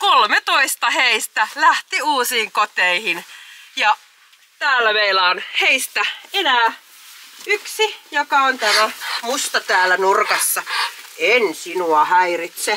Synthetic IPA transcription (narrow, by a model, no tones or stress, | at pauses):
kolmet̪oist̪ɑheist̪ælæht̪iuːsiːŋkot̪eihinjɑ | t̪æːlːæʋeilɑːnheist̪æenæː | yksijokɑont̪æmæmust̪ɑt̪æːlːˑænurkɑsːɑensinuɑhæirit̪se